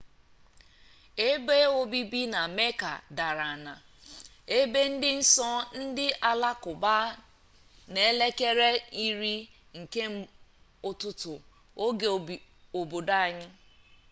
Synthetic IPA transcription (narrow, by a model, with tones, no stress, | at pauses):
e˦be˦o˦bi˦bi˦na˨me˦ka̰˨da˨ɾa˨na˨ | e˦be˦n̩˦dɪ˦n̩˦sɔ˦n̩˦dɪ˦ʔa˨la˦kʊ˨ba˦ | ne˨e˦le˦ke˦ɾe˦i˦ɾi˦ | ŋ̩˨ke˦m̩˦ | ʊ˨tʊ˦tʊ˨ | o˦ɡ | o˨bo˨da˦a˨ɲɪ˦